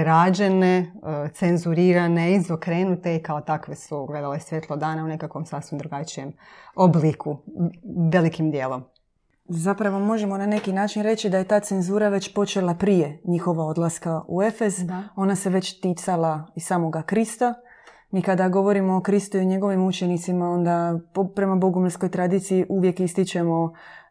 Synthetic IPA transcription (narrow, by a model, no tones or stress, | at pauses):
ɾaːd͡ʒe̞net̪se̞nzuɾiːɾaneizokɾeːnut̪eikaot̪akʋesuɡle̞d̪alesʋjet̪lˠod̪aːnaune̞kakʋomsaːsʋimd̪ɾuɡat͡ʃije̞moblikʰu | ʋe̞likimd̪jeːlo̞m | zapɾaʋo̞mo̞ʒe̞mo̞nane̞kinaːt͡ʃinɾe̞t͡ɕid̪aje̞t̪aːt̪se̞nzuːɾaʋe̞t͡ɕpo̞t͡ʃe̞lˠapɾije̞ɲixo̞ʋao̞d̪lˠaskaṵe̞fe̞zo̞nase̞ʋe̞t͡ɕt̪iːt̪salaisaːmo̞ɡakɾist̪a | miːkad̪aɡo̞ʋo̞ɾimo̞ːkɾist̪uioɲe̞ɡo̞ʋimut͡ʃe̞nit̪simao̞nd̪apopɾe̞maboɡumsko̞jt̪ɾad̪iːt̪siiʔuʋje̞kist̪it͡ʃe̞mo̞